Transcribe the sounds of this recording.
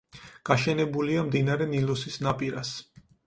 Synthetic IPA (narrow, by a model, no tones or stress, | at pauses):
ɡ̥aʃɛnɛbuliamd̪inaɾɛnilusisnapʼiɾas